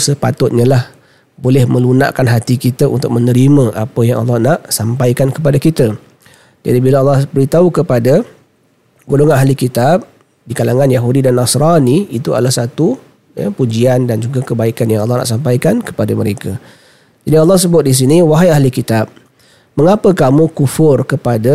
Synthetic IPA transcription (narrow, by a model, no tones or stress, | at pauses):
səpa̰t̪ʊt̪̚ɲəlah | bolɛhmə̃luna̰ʔkanɦat̪ikit̪aʔṵnt̪ʊk̚mənəɾimə̃ʔapəjaŋɑ̰lːɑhnaʔsampaikankəp̬adakit̪ə | d͡ʒa̰dibilaɑlːɑhbəɾit̪aukəpada | ɡuluŋanaɦlikit̪ap̚ | dikalaŋãnjaɦudidanːasɾaniit̪ua̰lahsat̪u | ja̰pud͡ʒiandand͡ʒuɡakəbaikanjaŋɑlːɑhna̰ʔsampajkankə̥padamə̰ɾeka | d͡ʒadiɑlːɑhs̬əbʊt̪̚dis̬iniwaɦaaɦlikit̪ab̚ | məŋapəkamukufʊrkəpada